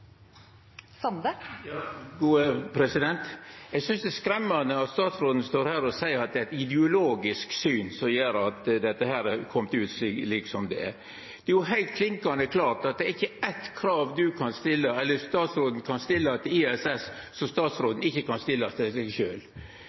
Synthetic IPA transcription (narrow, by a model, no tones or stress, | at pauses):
snjɑɡuːəpʰɾɛsɪd̪ɛnt̪ɛɪɡsʏnsd̪ɛskɾɛmːɑnəɑt̪st̪ɑːt̪sɾoːd̪n̩st̪oːɾhæːɾɔsæɪəɾɑt̪̚d̪ɛæɪt̪ɪd̪ɛʊloːɡɪsksyːnsɔmjeːɾɑt̪d̪ɛt̪ːəhæːɾæɾkʰɔmt̪ʉːt̪sliːksɔmd̪ɛɛɾ | d̪̥ɛæjʊɦæɪlt̪̚kʰlɪŋkɑnd̪əkʰlɑːʈɑt̪̚d̪ɛæɾɪçːəæt̪kʰɾɑːʋd̪ʉkʰɑnst̪ɪlːəɛlːəɾst̪ɑːt̪sɾoːd̪n̩kʰɑnst̪ɪlːɑt̪ʰɪiːɛsɛssɔst̪ɑːt̪sɾoːd̪n̩ɪçːəkɑnst̪ɪlːɑst̪ɛsɛʃøːl